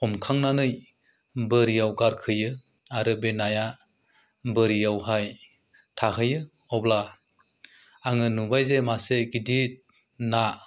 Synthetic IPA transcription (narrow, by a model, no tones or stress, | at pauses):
ɔmkʰaŋnanɯj | bɯɾijawɡaɾkʰɯjɯ | aɾɯbenaja | bɯɾijawɦaj | tʰaɦɯjɯ | ɔbla | aŋɯnubajzemaseɡidit̚ | na